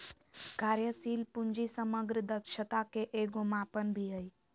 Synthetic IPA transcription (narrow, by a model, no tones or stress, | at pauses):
kaɾjəsiːlpuɲd͡ʒisəməɡɾəd̪əkʃət̪akeʔeɡomãpənbʱiɦəj